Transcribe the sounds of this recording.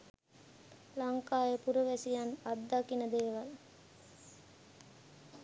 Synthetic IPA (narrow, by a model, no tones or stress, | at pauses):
laŋkaːjəpuɾuʋæsijanad̪ːakinəd̪eːʋal